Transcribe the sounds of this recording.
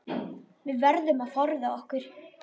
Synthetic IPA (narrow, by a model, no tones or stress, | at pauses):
vɪðvɛɾðʏmaðθɔɾðaɔhkʏɾ̥